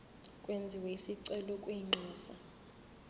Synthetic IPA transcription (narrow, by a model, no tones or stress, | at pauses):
kʼwend͡zʱiweisiǀɛlɔkʼwiŋ͡ǃʱɔːsa